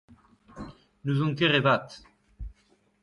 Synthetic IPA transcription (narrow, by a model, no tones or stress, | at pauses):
nuzɔŋkeʁevat̪